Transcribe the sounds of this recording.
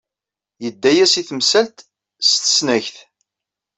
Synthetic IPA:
jəd̪ːæjæsiθmsælt̪ | st̪ə̥snæçθ

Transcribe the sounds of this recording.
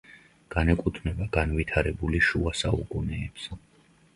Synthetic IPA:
ɡ̥anɛkʼut̪ʰmɛbaɡanvit̪ʰaɾɛbuliʃuasaukʼunɛːpsɛ

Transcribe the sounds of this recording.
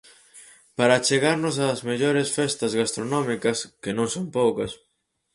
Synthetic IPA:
paɾat͡ʃeɣaɾnʊsaːzmeʎoɾesfɛst̪ɐzɣast̪ɾonɔmikɐskenõŋsompowkɐs

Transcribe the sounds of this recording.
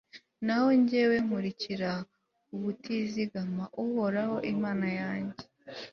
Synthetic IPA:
naho̞ɲɟe̞we̞ŋuɾiciɾa | uβutiziɡamaʔuhoɾaho̞ʔimaːnajaːɲɟe

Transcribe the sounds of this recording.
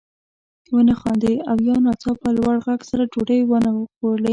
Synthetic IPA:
wənaxɑnd̪eawjɑnɑt͡sɑpalwaɽɣaɡsaɾad͡ʒoɽəjwanawəxole

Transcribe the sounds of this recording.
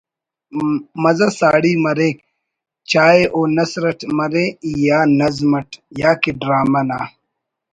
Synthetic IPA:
mɐzɐsaːɽiːmɐɾeːk | t͡ɕaːeʔoːnɐsɾɐʈmɐɾeijaːnɐzmɐʈjaːkiɖɾaːmɐnaː

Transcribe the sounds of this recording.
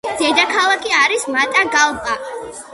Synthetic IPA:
d̪̥ɛd̪akʰalˠakʰiaɾismat̪ʼaɡalˠbʼa

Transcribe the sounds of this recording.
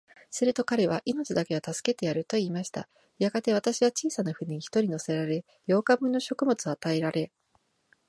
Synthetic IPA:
sɨɾɯ̟t̪o̞kaɾe̞β̞aʔino̞t͡ɕid̪ake̞at̪asɨ̥ke̞t̪e̞jaɾɯ̟t̪o̞iːmaɕi̥t̪a̰ | jaɡat̪e̞β̞at̪aɕiβat͡ɕiːsanaɸɯ̟ɲiɲiçi̥t̪o̞ɾʲino̞se̞ɾaɾe̞ | jo̞ːkabɯ̟̃nːo̞ɕo̞kɯ̟mo̞t͡sɨat̪ae̞ɾaɾe̞

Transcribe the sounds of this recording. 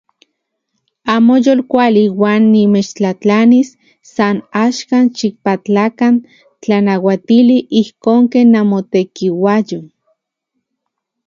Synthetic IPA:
aːmojolkʷaliwaːnːimet͡ʃt͡ɬat͡ɬanisː | anaʃkanʃik̚pat͡ɬakan | t͡ɬanawat̪iliʔihkoːŋkenːamot̪ekiwajo

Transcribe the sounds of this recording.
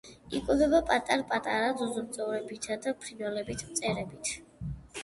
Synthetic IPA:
ikʼud̪ɛbapʼat̪ʼaɾpʼat̪ʼaɾazuzuɾt̪sʼɔvɾɛbit̪ʰad̪apʰɾinvɛlɛbit̪ʰmt̪sʼɛɾɛbit̪ʰ

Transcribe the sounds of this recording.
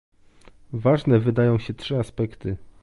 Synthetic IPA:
vaʐnɛvɘd̪ajɔ̃w̃ɕɛtʂɘaspɛkt̪ɘ

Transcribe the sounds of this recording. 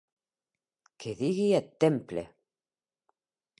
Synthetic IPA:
kʰeðiɣiat̪ːemplḛ

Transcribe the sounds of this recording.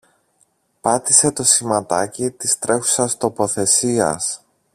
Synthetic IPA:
pɐt̪ise̞t̪o̞simɐt̪ɐcit̪ist̪ɾe̞xu̥sɐst̪o̞po̞θe̞siɐ̰s

